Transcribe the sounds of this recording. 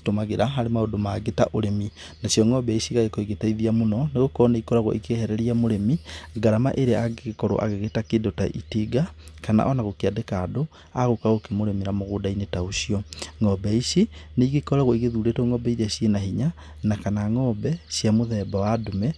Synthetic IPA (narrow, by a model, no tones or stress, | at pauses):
tomaɣeɾaɦaɾemaodomaɡeta̰ʔoɾemi | nasjɔŋɔbɛisiɣaɣekoiɣetaiðiamonɔneɣokɔneikɔɾaɣo̰ʔikehɛɾɛɾiamoɾemiɡaɾama̰ʔeɾeaɡeɣekɔɾo̰ʔa̰ɣeɣetakedota̰ʔḭteɡakana̰ʔɔnaɣokeadekaːdo | aɣokaɣokemoɾemiɾamoɣodainetaosiɔŋɔbɛisineiɡekɔɾaɣoiɣeðuːɾetoŋɔbɛiɾasienaɦiɲa | nakanaŋɔbɛsjamoðɛbawadomɛ